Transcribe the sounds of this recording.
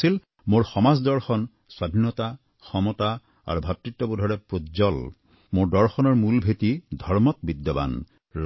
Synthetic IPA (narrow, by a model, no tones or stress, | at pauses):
sil | moɹxɔmazdɔɹxɔn | swadʱinːɔta | xʰɔmɔta | a̰ɹubʱatɹitːɔbodʱɔɹɛpɹozɔl | moɹdɔɹxɔnɔɹmulbʱetidʱɔɹmɔtbid̪ːjɔba̰n